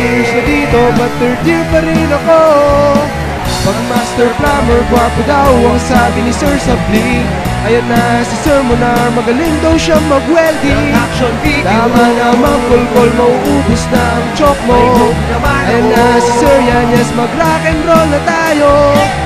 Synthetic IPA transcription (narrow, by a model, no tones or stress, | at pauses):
snɐd̪iːt̪o̞bɐt̪ːɛɹd̪iɾpɐɾinɐko | wɐɡmast̪ɛɹplamɛɹbwapɐd̪auɐŋsabɪnɪsɛɹsɐbli | ʔɐjɐnːɐsɪsɛɹmonɐmɐɡɐliŋd̪ɐwʃamɐɡwɛld̪iakʃnd̪amanɐŋmɐkolkolmɐʔuʔuːbʊsnɐʔɐŋt͡ʃɔk̚mo | ɐjanːɐsɪsɛɹjaɲɛsmɐɡɾakɛnɾolnɐt̪aːjo̞